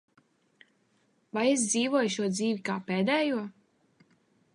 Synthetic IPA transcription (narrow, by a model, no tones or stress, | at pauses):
vajes̬d̪ziːvuɔjʃuɔd̪ziːvikaːpeːd̪ɛːjuɔ